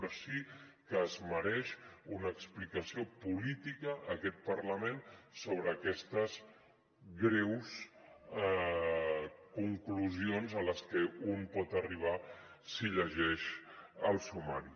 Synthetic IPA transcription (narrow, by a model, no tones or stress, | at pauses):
əsikəːzməɾɛʃunəːksplikəsiopulit̪ikəʔːkɛt̪̚pəɾləmensoβ̞ɾəːkɛst̪əz | ɣɾɛws | kuŋkluzionzələskəunpɔt̪əriβ̞a | siʎəʒɛʃəlˠsumaɾi